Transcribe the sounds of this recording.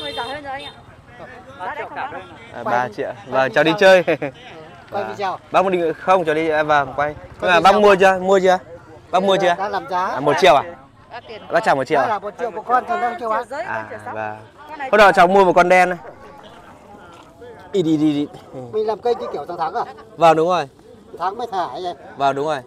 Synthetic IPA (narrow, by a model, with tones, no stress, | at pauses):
ɓaː˧t͡ɕḭ˧˨ə˨wvəː˨˩t͡ɕɔ˨˩ɗi˧t͡ɕəː˧j | a˧˩i˨a˧˩wɓa˦˥m˨˧˩ɗi˨ŋ˧˨xə˧wŋ͡mt͡ɕɔ˨˩ɗi˧vəː˨˩kwa˧jɲɨ˧ŋma˨˩ɓa˦˥mu˧ət͡ɕɨ˧mu˧ət͡ɕɨ˧a˧ | ɓa˦˥mu˧ət͡ɕɨ˧a˧˨aː˧laː˨˩mzaː˨˦˨mo˨˩t̚t͡ɕḭ˧˨əwʔa˨˩˨ | ɓaː˦˥t͡ɕaː˧˩mo˨˩t͡ɕḭ˧˨wa˨˧˨mo˨˩t̚t͡ɕḭ˧˨əwkəkɔ˧nt̪ːka˧ŋki˧˨waː˨˧˩ʔaː˨˩vaː˨˩ | ho˧nɗɔ̰˧˩t͡ɕɔː˨˩wmu˧əvəː˨˩kɔ˧nɗɛ˧n˧ | i˧ɗi˧ɗi˧ɗi˧mi˨˩ŋlaː˨˩mkə˧jt͡ɕi˧ki˧˩əwsa˧wt̪ʰaː˨˦ŋaː˨˩vaː˨˩wɗʊ˨˦ŋ͡mzo˨˩j | t̪ʰaː˨˦ŋmə˧˦jt̪ʰaː˧˩ha˧˦jvaː˨˩wɗʊ˨˦ŋ͡mzo˨˩j